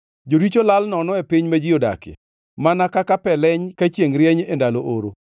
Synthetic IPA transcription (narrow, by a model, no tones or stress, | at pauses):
d͡ʒoɾit͡ʃolalnɔnɔepiɲmed͡ʒijoda̰kɪ̰ | manakakapɛlɛɲkat͡ʃjeŋɾjɛɲendaloʔoɾo